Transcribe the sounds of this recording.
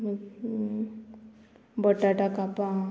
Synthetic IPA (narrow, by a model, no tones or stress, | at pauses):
bəʈːaʈakapa